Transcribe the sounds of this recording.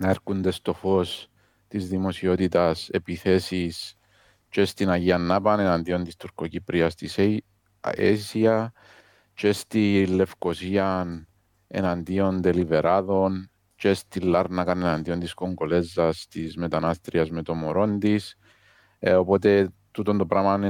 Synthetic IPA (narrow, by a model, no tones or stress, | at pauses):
nɐeɾkund̪e̞st̪o̞fo̞s | t̪izðimo̞sio̞t̪it̪ɐse̞piθe̞sis | t͡ʃest̪inɐʝiɐnːapɐne̞nand̪io̞nt̪ist̪uɾko̞cipɾʔiɐst̪is | ḛsiɐ | t͡ʃest̪ilːe̞fko̞siɐn | ḛnand̪io̞nd̪e̞live̞ɾʔaðo̞n | t͡ʃest̪ilːaɾnɐkɐnenand̪io̞nt̪isko̞ŋɡo̞le̞zːɐst̪izme̞t̪anast̪ɾiɐzme̞t̪o̞moɾo̞nd̪is | opo̞t̪e̞t̪ut̪ond̪opɾamɐn